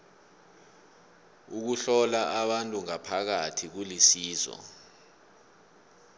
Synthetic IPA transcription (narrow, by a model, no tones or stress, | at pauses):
uk̬uɬɔlaʔaɓantʼuŋapʰak̬atʰik̬ulisiːzɔ̰